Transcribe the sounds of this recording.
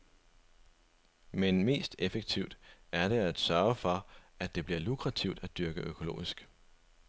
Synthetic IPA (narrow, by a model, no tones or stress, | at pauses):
menme̝̰ːsd̥efeɡ̥̚t͡sʰiʊ̰d̥æɐɾe̝æd̥sɶɐfɒ̽æd̥e̝b̥liɐlukʰʁɑ̈t͡sʰiʊd̥æd̥yɐɡ̥əʔøkʰo̝lo̝̰ːisɡ̥